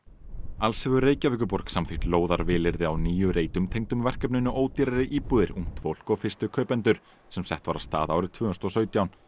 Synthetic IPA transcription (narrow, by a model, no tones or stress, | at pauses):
alsɛvʏɾeːjcavʏkʏpɔɾksamθɪ̥t̪loːwðaɾvɪːlɪɾðɪawniːjʏɾeːjt̪ʏmt̪ʰejŋt̪ʏmvɛr̥kɛpnʏnːʏʔoːwt̪iɾaɾɪʔiːpuːðɪɾṵ̃ŋ̥t̪fowl̥kɔfɪ̥st̪ʏkʰœːpɛnt̪ʏɾ̥ | sɛmsɛht̪vaɾast̪a̰ːðaːwɾɪt̪ʰvʏːst̪ɔsœːɥt̪jawn